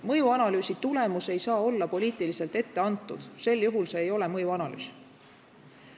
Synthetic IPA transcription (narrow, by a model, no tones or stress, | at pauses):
mɤjuɑnɑlyːsit̪ule̞muse̞jsɑːo̞lːɑpo̞liːt̪ilise̞lt̪e̞t̪ːe̞ɑnt̪ːˑṵd̪̥se̞lːjuɦulse̞ːjo̞le̞mɤjuɑnɑly̰ːs